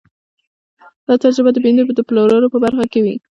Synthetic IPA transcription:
d̪̥ɑt̪aɾzəbad̪əbend̪od̪əploɾaɾopəbaɾxakewi

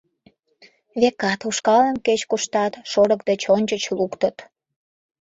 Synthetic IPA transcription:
βekɑt̪uʃkɑlənket͡ɕkuʃt̪ɑt̪ʃoɾəkd̪et͡ɕonʲt͡ɕət͡ɕlukt̪ət̪

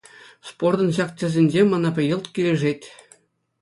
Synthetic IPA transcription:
spord̪ɤ̆nɕɑktʲɘ̆zʲĕnʲd͡ʑemɑnɑpʲɘ̆jɤ̆lˠt̪kʲilʲĕʐetʲ

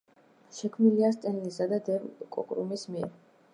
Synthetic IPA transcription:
ʃɛkʰmnilias̬t̪ʼɛnlisad̪ad̪ɛvkʼɔ̰kʼɾṵmismiɛɾ

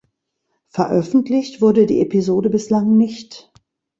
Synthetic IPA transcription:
fɛɐʔœfn̩tlɪçtv̥ʊɐdədḭːʔepizoːdəbɪslaŋnɪçt

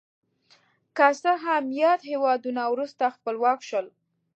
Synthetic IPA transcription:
kasəɦamjɑt̪hewɑd̪unawɾust̪axpəlwɑkʃəl

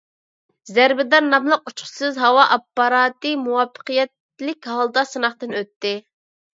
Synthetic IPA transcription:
zæɾbɪd̪ɑnːɑmlˠəq̚ut͡ʃχʰʊ̥sɨzɦɑwɑʔɑpːɑɾɑːt̪ɨmuwɑpʰːə̥qɨjɛt̪ | lɪkʲhɑlˠd̪ɑsɨnɑχt̪ɨnøt̪ːɪ

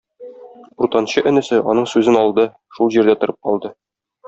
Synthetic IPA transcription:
uɾt̪ɑnɕɤʔɘ̆nɘ̆sɘʔɒnɤɴsʉzɘnɒlˠd̪ɤ | ʃulˠʑiɾd̪æt̪ŏɾʔɤp̚qɒlˠd̪ɤ

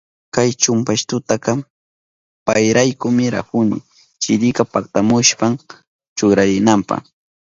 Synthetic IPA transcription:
kajt͡ʃʊmpaʃt̪ʊt̪aka | pajɾajkʊmɪɾa̰hʊnɪ̰ | t͡ʃɪɾɪkapak̚t̪amʊʃpam | t͡ʃʊɾaɾɪnampɑ̰χ

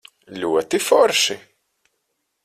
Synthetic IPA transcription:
luwæt̪ːifɔɾˤʃi

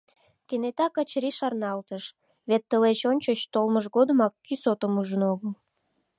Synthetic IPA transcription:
kenet̪ɑkət͡ɕɾiʃɑrnɑlt̪əʃ | βet̪ːəlet͡ɕonʲt͡ɕət͡ɕt̪olməʃɣod̪əmɑkːysot̪əmuʒənoɣəl

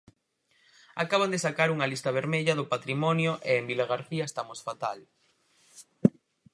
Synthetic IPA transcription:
a̰kaβ̞and̪esakaɾuŋɐlist̪ɐβ̞eɾmeʎɐðʊpat̪ɾimɔnjoʔeːmbiloɣ̞aɾθiɐest̪amosfat̪al

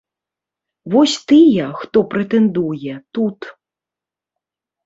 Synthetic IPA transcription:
vɔsʲt̪ɨjɐxt̪ɔpɾɛt̪ɛnd̪ujɛt̪ut̪

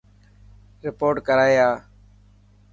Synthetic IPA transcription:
ɾɪpoːʈkəɾaːjaː

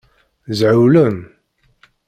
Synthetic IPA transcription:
zʕəwləm

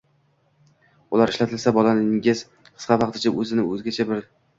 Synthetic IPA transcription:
ʊlaɾɪʃlat̪ʰɪlsabɒlanɪɪz | qʰɨ̥sqʰɑvɑq̚t̪ʰɪt͡ʃʰaʔɵzɪnɪɵzɡʲat͡ʃʰabɪɾd̪ɪ

